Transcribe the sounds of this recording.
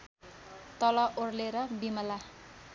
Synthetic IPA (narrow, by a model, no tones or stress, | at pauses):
t̪ʌlʌʔorleɾʌbimʌla